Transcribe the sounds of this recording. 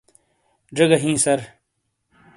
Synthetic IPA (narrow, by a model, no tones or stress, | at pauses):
ɖɐɡɐɦĩːsɐɾ